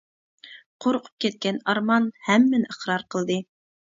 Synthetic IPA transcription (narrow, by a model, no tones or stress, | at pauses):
qʰoɾqʰu̥p̚kʲɛt̪̚kʲɛnɑɾmɑnhæmːɪnʔəχɾɑɾqʰəlˠd̪ɨ